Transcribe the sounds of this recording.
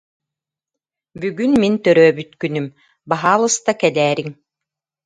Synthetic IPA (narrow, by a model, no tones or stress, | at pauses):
byɡynmint̪œɾœːbyt̪kynym | baɦaːlˠɯst̪akɛd̪ɛːɾiŋ